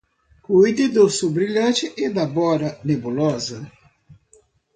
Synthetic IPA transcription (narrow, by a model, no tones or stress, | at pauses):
kujd̪ɪd̪ʊsubɾiʎɐ̃t͡ʃɪʔɪd̪abɔɾɐnebulɔzɐ